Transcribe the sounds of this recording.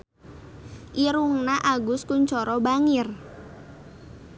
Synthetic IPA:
ʔiɾuŋnaʔaɡʊskuɲt͡ʃɔɾɔbaŋɪr

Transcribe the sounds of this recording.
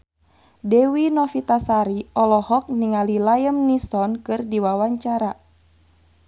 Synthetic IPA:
dɛwinɔfit̪asaɾiɔlɔhɔk̚niŋalilajəmnisɔnkɨrdiwawaɲt͡ʃaɾa

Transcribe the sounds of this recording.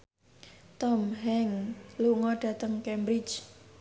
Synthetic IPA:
t̪ɔmɦɛŋluŋɔɖ̥ä̤t̪əŋkɛmbɾit͡ʃ

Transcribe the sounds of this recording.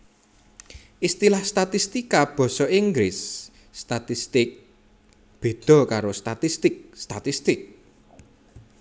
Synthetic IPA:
ʔist̪ilahst̪at̪ist̪ikab̥ɔ̤sɔiŋɡɾɪsː | t̪at̪ist̪ɪk̚ | b̥e̤d̪̥ɔ̤kaɾost̪at̪ist̪ɪk̚st̪at̪ist̪ɪk̚

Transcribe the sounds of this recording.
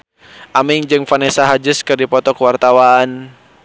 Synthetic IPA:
ʔamɪŋd͡ʒɨŋfanɛsaɦad͡ʒəskɨrdipɔt̪ɔkəwart̪awan

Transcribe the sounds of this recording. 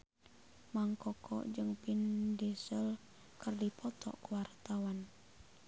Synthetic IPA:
maŋkɔkʰɔ̰ʔd͡ʒɨŋpindɛsəl | kɨrdipɔt̪ʰɔ̰kuwart̪awan

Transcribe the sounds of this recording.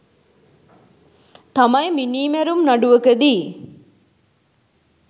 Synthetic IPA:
t̪amɐjminiːmæɾumnaɖuʋəkəd̪iː

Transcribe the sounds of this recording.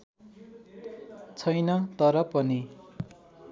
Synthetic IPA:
t͡sʰʌjnʌt̪ʌɾʌpʌni

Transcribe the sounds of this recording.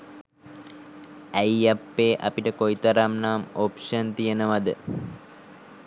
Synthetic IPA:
æjapːeːʔɐpiʈəkojit̪ɐɾamnaːmopʂɐnt̪ijenəʋad̪ə

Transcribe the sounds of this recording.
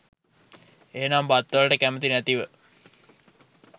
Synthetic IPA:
eːnaːmbat̪ːʋalʈəkæmət̪inæt̪iʋə

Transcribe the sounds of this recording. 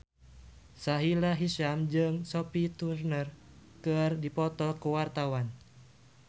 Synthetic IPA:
saɦilaɦiʃamd͡ʒɨŋsɔpit̪urnərkɨrdipɔt̪ɔkuwart̪awan

